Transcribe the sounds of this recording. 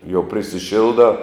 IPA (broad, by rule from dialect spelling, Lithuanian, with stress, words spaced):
jɛʊ pʲrʲɪsʲɪˈʃʲɪlˠdɑː